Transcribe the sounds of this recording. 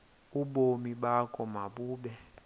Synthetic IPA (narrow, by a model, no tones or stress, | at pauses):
uɓomiɓakʼɔmaɓuːɓɛ